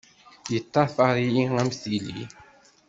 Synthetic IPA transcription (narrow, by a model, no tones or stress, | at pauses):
jət̪ːɑθɑɾˤijiŋæmθilḭ